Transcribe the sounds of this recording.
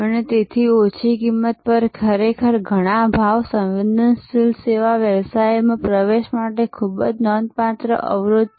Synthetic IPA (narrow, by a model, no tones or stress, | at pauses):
ənet̪et̪ʰiot͡ʃʰikimːət̪̚pəɾkʰəɾekʰəɾɡʱəɽ̃abʱaʋsə̃wʋid̪ənst̪ilseʋaʋjəʋsajmãpɾəʋeʃmaʈekʰubəd͡ʒnɔnpat̪ɾə̰ʔə̰ʋɾod̪